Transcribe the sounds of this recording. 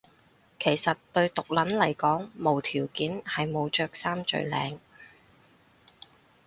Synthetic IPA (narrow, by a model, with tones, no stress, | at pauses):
kʰe˨˩jsɐ˨tt̪ɵ˧ɥt̪ʊ˨k̚lɐ˨˥nlɐ˨˩jkɔː˨˥ŋmo˨˩wt̪ʰiː˨˩wkiː˨˥nhɐ˨jmo˨˧wt͡ʃœː˨k̚saː˥mt͡ʃɵ̰˧ɥlɛ̰ː˨˧ŋ